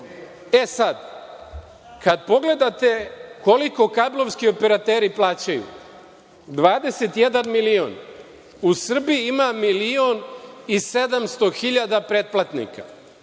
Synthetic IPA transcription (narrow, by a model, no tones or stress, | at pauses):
e̞sad̪ | kad̪po̞ɡle̞d̪at̪e̞ko̞liko̞kablˠo̞ʋskio̞pe̞ɾat̪eːɾiplˠaːt͡ɕajṵ | d̪ʋaːd̪e̞se̞t̪je̞d̪anmilio̰n | usr̩bijiimamilionise̞d̪amst̪o̞xiʎad̪apɾe̞t̪̚plˠat̪nḭka